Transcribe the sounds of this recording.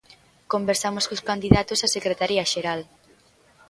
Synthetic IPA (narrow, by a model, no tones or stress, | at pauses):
kombeɾsamoskoskand̪iðat̪osasekɾet̪aɾiaʃeɾal